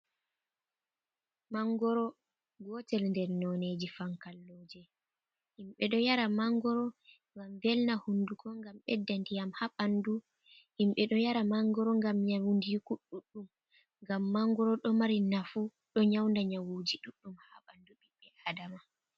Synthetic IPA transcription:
maŋɡɔɾɔ | ɡɔtɛlndɛɾnɔned͡ʒifaŋkalːoːd͡ʒɛ | himɓɛɗɔjaɾamaŋɡɔɾɔ | ŋɡamvɛlnahundukɔŋɡamɓɛ̰dːandijamhaɓandu | himɓɛɗɔjaɾamaŋɡɔɾɔŋɡamɲawundikuɗːuɗːum | ŋɡamːaŋɡɔɾɔɗɔmaɾinafu | ɗɔɲawndaɲawud͡ʒiɗuɗːumhaɓanduɓiɓːɛʔadama

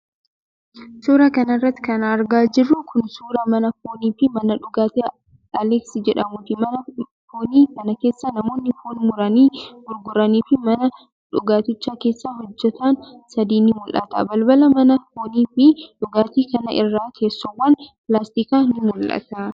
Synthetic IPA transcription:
suːɾɐkɐnɐrːɐt̪ːɪ̥kɐnɐɾɡaːd͡ʒɪrːʊkʰʊnsuːɾɐmɐnɐfoːniːfɪmɐnɐᶑʊɡaːt̪eː | ɐlɛksid͡ʒɛᶑɐmʊt̪ɪmɐnɐ | foːniːkɐnɐke̞ːsːɐnɐmo̞ːnːɪfoːnmʊɾɐniːɡʊɾɡʊɾɐniːfɪmɐnɐ | ᶑʊɡaːt̪ɪt͡ʃːaːke̞ːsːaːɦɔd͡ʒːɛt̪aːnsɐd̪iːnɪmʊlʔɐ̰t̪ɐ̰bɐlbɐlɐmɐnɐfoːniːfɪᶑʊɡaːt̪iːkɐnɐʔɪrːaːkʰe̞ːsːɔwːɐnpɪlaːst̪iːkaːnɪmʊlʔɐ̰t̪ɐ

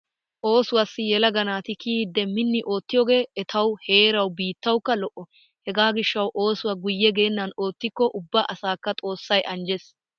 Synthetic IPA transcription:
ʔo̞ːsʊwɐsːɪjɛlɐɡɐnaːt̪ɪkiːd̪ːɛmɪnːɪʔo̞ːt̪ːɪjoːɡe̞ːʔɛt̪ʰɐwhe̞ːɾɐwbiːt̪ːɐwkːɐlɔʔːɔ | hɛɡaːɡɪʃːɐwʔo̞ːsʊwɐɡʊjːɛɡe̞ːnːɐno̞ːt̪ːɪkːɔʔʊbːaʔɐsaːkːɐt̪ʼo̞ːsːɐjʔɐnd͡ʒɛs

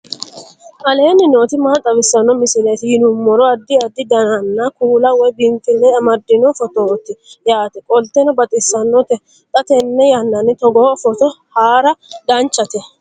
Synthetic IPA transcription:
ʔɐle̞ːnːɪno̞ːt̪ɪmaːt̪ʼːɐβɪsːɐnːɔmɪsɪlejt̪ɪhɪnʊmːɔɾɔɐd̪ːɪɐd̪ːɪd̪ɐnɐnːɐkuːlɐwɔjbɪŋkɪlːɛɐmɐd̪ːɪnɔfɔt̪oːt̪ːɪjaːt̪ɛkʼɔlt̪ːɛnɔbɐt̪ʼɪsːɐnːɔt̪ɛ | t̪ʼɐt̪ɛnːɛjɐnːɐnːɪt̪ɔɡoːfɔt̪ɔhaːɾɐd̪ɐnt͡ʃʼːɐt̪ɛ

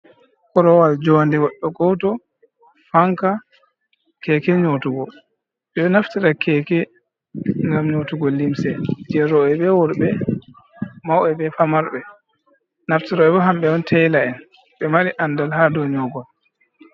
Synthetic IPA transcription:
kɔɾɔwald͡ʒɔndiwɔɗːɔɡɔwtɔ | faŋka | kɛkɛɲotuɡɔ | ɓɛɗɔnaftiɾakɛkɛ | ŋɡamɲotuɡɔlːimsɛd͡ʒɛɾɔɛɓɛwɔɾbɛ | mawɛbɛfamaɾɓɛ | naftiɾaɛbɔɦamɓɛɔntʰɛjlaɛn | ɓɛmaɾiʔandalhadɔɲɔɡɔl

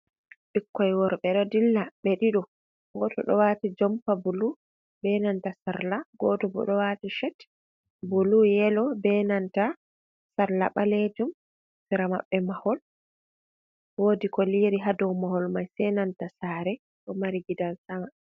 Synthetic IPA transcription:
ɓikːɔjwɔɾɓɛɗɔdilːaɓɛɗiɗɔ | ɡɔtɔ̰ɗɔ̰watid͡ʒɔmpabulu | bɛnantasaɾlaɡɔtɔbɔ̰ɗɔwatiʃɛt | bulujɛlɔbɛnanta | saɾla̰ɓaled͡ʒum | siɾama̰ɓːɛmahɔl | woːdikɔliɾiɦadɔwmahɔlmajsɛnantasaːɾɛ | ɗɔmaɾiɡidalsama

